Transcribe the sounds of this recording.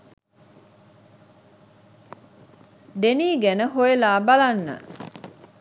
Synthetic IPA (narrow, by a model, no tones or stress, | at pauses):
d̪eniːɡænəɦojelaːbalanːə̰